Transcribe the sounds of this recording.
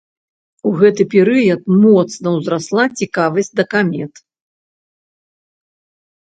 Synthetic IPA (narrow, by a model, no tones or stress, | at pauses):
uɣɛt̪ɨpʲɛɾɨjɐt̪̚mɔt̪snɐwzɾaslˠat͡sʲikavɐsʲtʲd̪ɐkamʲɛt̪